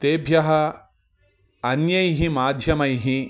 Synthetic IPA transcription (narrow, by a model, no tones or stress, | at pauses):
t̪eːbʱjɐɦɐ | ɐnjɐjɦimaːd̪ʱjɐmɐjɦi